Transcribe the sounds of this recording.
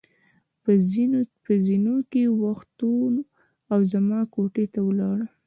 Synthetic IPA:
pəzinokewaxt̪un | awzamɑkoʈet̪awəlɑɽə

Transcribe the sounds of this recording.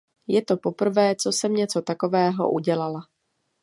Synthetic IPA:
jɛt̪o̞po̞pr̩vɛːt͡so̞sɛmɲɛt͡so̞t̪ako̞vɛːɦo̞̰ʔuɟɛlala

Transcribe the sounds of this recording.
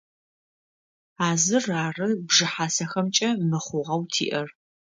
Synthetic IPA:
aːzɨraːrɨbʐɨħaːsɐxɐmt͡ʃʼɐmɨχʷʊʁɐwtʰḭːʔɐr

